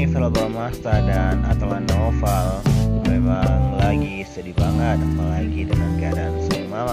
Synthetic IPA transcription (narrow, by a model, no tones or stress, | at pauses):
ifəlab̪amasadana̰t̪awanofalmemaŋlaɡisədibaŋət̪apalaɡidəŋanɡaɾansəimala